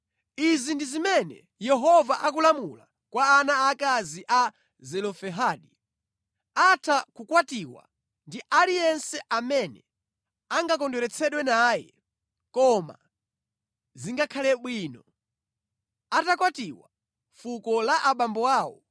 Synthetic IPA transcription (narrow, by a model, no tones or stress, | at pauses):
izindizimɛnɛ̰ | jɛɦɔvaʔak̬ulamula | kwaːnaːkaziʔa | zɛlɔfɛɦaːɗi | atʰakukwatiwa̰ | ndiʔaɾijɛnsɛʔamɛnɛ | aŋɡak̬ɔndɔɾɛt͡sʰɛɗwɛnaːjɛ̰ | kɔma̰ | ziŋɡakʰalɛɓwiːnɔ | atakwatiwa | fukɔlaʔaɓambɔwaːwɔ̰